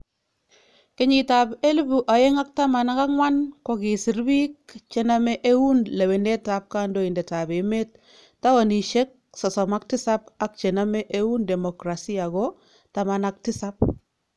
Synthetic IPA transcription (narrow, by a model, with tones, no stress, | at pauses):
kɪ˦ɲi˨tape˦lbu˨ʔa˨je˦ŋa˦k̚ta˦ma˨na˦ka˦kŋwa˦nkɔ˦ki˨si˨ɾbi˦k̚t͡ʃe˨na˦mɛ˦ʔe˦wu˦nle˨we˨ne˦ta˦p̚ka˦ndo˦˨i˨nde˨ta˨be˨me˦t̚ː | a˦wa˨ni˨ʃe˦k̚ | sɔ˨sɔ˨ma˦k̚tɪ˦sa˦pa˦k̚t͡ʃe˨na˦mɛ˦ʔe˦wu˦nde˨mo˨kɾa˨si˦a˨ɡɔ | ta˨ma˨na˦k̚tɪ˦sa˦p̚